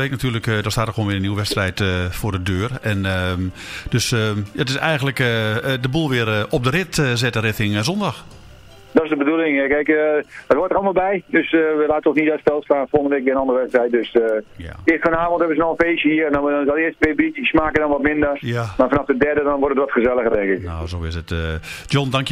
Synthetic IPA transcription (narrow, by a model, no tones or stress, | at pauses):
ʋeknatʰyːrləkdɔstaːtəxʋoːnʋɪənəniwəʋɛstrɛjtəfoːrdədøːrɛnə | d̥øsjatɪsɛjɣəntləkdəbulˠʋɪəɾɔp̚dərɪtəzɛtərɪtɪŋzɔndɔx | dɔɪsdəbədulˠɪŋkɛɪkdɔtʋɔtəɾɑlˠəmalˠbɛjdøsʋəlaːtəɔnsnitœtstɛlˠstlaːnfolndəʋek̚ɪənɔndəʋɛtstrɛjt̚døsja̰ɪəstfanaːvɔnthɛbəzənowənfeːsəhiəndɔnɔtɪəstətʋebitismaːkədɔnʋɔtmɪndərjamafanafdədɛrdədɔnʋʊrtətʋɔtxəzɛlˠəɣədɛŋkɪkno̰zoːɪsət | djondaŋkj